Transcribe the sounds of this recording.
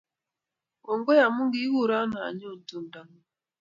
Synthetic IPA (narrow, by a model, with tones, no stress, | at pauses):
wo˨ŋɡɔ˦ja˨mu˦ŋɡi˦wu˦˨ɾa˦na̰˨ɲo˦˨n˨tu˨nda˨m˨